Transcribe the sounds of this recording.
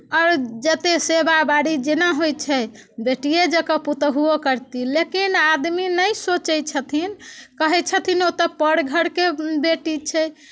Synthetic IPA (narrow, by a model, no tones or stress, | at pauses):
ɔɾd͡ʒət̪esebabaɽid͡ʒenaɦojt͡ʃʰɛbeʈijed͡ʒəkəput̪ɦuokəɾt̪ilekinad̪minəjsot͡ʃəjt͡ʃʰət̪ʰinkəɦɛt͡ʃʰət̪ʰinot̪əpəɽɡʱəɽkebeʈit͡ʃʰɛj